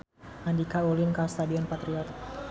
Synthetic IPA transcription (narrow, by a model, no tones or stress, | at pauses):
andikaulinkast̪adiɔnpat̪ɾiɔt̪̚